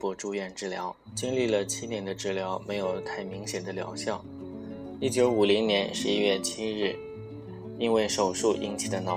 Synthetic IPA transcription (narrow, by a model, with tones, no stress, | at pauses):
pwɔ˧˥ʈ͡ʂu˥˧ɥɛ˥˩nʈ͡ʂɻ̩˥˩ljɑ̰˧˥ʊ | t͡ɕi˥ŋli˥˩lə˩t͡ɕʰi˥njɛ˧˥nd̪ə˧ʈ͡ʂɻ̩˥˩ljɑ˧˥ʊme˧˥ɪjo˨˩ʊt̪ʰa˥˩ɪmi˧˥ŋɕjɛ˨˩nd̪ə˦ljɑ̰˧˥ʊɕjɑ˥˩ŋ | i˥˩t͡ɕjo˧˥ʊu˨˩li˧˥ŋnjɛ˧˥nʂɻ̩˧˥i˥ɥɛ˥˩t͡ɕʰi˥ɻɻ̩˥˩ | i˥nwe˥˩ɪʂo˨˩ʊʂu˥˩ʔḭ˥nt͡ɕʰi˨˥˩d̪ə˦nɑ˧˥